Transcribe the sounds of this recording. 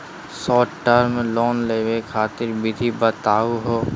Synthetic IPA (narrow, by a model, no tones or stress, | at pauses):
sɔːʈəɾmelɔːnleːʋekʰaːt̪ɪɾbɪd̪ʱibət̪aːuɦoː